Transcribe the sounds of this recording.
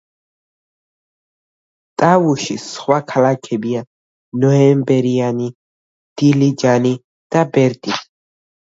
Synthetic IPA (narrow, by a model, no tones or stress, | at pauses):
t̪ʼavuʃisχwakʰalakʰɛbia | nɔɛmbɛɾiani | d̪̥ilid͡ʒani | d̪̥abɛɾt̪ʼi